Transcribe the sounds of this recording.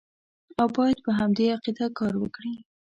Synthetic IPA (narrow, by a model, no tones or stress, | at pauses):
awbɑjad̪̚pəɦamd̪eaqid̪akɑɾwəkɽi